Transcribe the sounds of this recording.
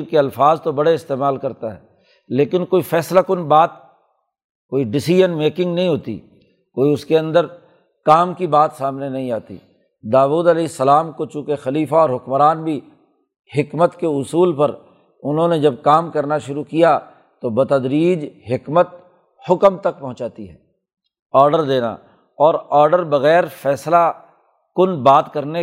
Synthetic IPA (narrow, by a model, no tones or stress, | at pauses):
keɐlfaːzt̪obɐɽeɪst̪eːmaːlkɐɾt̪aɦɛ̰ː | leːkɪnkoːifʰɛːslakʊnbaːt̪̚ | koːiɖɪsid͡ʒənmeːkɪ̃ŋɡnɐɦĩɦoːt̪ḭː | koːiʊskeɐ̃nd̪əɾ | kaːmkibaːt̪saːmnenɐɦĩaːt̪ḭː | d̪aːʋuːd̪ɐleːsːɐlaːmkot͡ʃũːkexɐliːfaɔːɾɦʊkmɾaːnbʱi | hɪkmət̪keʊsuːlpɐɾ | ʊnɦõned͡ʒɐb̚kaːmkɐɾnaʃʊɾukija | t̪obɐt̪ɐd̪ɾiːd͡ʒɦɪkmət̪̚ | hʊkmt̪ɐk̚pɐ̃ɦʊ̃t͡ʃaːt̪iɦɛ̰ː | ɔːɾɖəɾd̪eːna̰ | ɔːɾɔːɾɖəɾbɐɣɛːɾfɛːsla | kʊnbaːt̪kɐɾne